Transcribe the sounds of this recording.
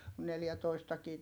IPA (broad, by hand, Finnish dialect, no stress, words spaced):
ku neljætoistɑkiː